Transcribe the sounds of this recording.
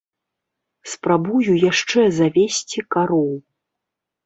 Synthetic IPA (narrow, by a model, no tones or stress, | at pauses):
spɾabujujaʂt͡ʂɛzavʲesʲt͡sʲikaɾɔw